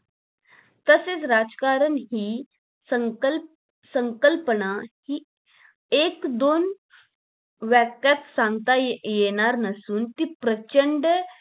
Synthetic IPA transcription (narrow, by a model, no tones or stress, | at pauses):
t̪əset͡sɾad͡zkaɾənɦiː | əŋ | səŋkəlpənahiː | ekd̪on | ʋakjat̪sãŋɡt̪ajeɽ̃aɾnəsuːnt̪iːpɾət͡ɕəɳɖ